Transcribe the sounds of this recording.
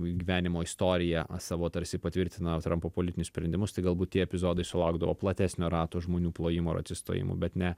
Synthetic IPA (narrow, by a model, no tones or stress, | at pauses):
ɡʲiːʋʲæːnʲɪmoːɪst̪oːɾʲɪjɛsɑːʋoːt̪ɐɾʲsʲɪpɐt̪ʲʋʲɪɾʲt̪ʲɪnɐt̪ɾɐmpoːpoːlʲɪt̪ʲɪnʲʊsʲpʲɾʲɛnd̪ʲɪmʊst̪ɐɪɡɐlˠbuːt̚tʲiɛɛpʲɪzoːd̪ɐɪsʊlˠɐʊɡd̪ɐʋoːplˠɐt̪ʲæːsʲnʲoːɾɑːt̪oːʒmoːnʲuːplˠoːjɪmoɪɾɐ̰t̪ʲsʲɪst̪o̰ːjɪ̰mʊ̰bʲɛt̪nʲɛ